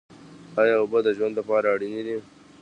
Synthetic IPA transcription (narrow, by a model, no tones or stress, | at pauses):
ajɑobəd̪əʒwand̪lapɑɾaːɽinid̪i